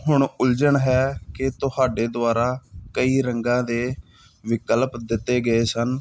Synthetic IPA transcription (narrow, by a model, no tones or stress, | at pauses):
ɦʊɳʊld͡ʒəɳɦɛːkɪt̪ʊhaːɖeːd̪ʊaːɾaːkəiːɾəŋɡãːd̪eː | ʋɪkəlpd̪ɪt̪ːeːɡəeːsən